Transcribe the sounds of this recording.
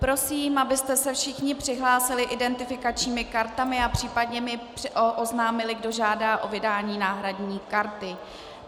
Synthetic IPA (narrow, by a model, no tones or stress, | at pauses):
pɾo̞siːmʔabɪst̪ɛsɛfʃɪxɲɪpr̥ɪɦlaːsɪlɪʔɪdɛnt̪ɪfɪkat͡ʃɲiːmɪkaɾt̪amɪapr̥iːpadɲɛmɪprʔʔoznaːmɪlɪɡdo̞ʒaːdaːʔo̞vɪdaːɲiːnaːɦɾadɲiːkaɾt̪ɪ